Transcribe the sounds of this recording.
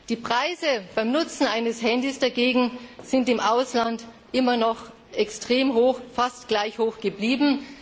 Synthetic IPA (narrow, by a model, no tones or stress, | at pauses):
d̥iːpʁ̥aɪzəb̥aɪmnʊt͡sn̩ʔaɪnəshɛndiːsd̥aɡeːɡŋ̩z̥ɪntɪmʔaʊslant | ʔɪmɐnɔχ | ʔɛkstʁ̥eːmɦoːxfastɡ̥laɪçhoːxɡ̥əbliːbm̩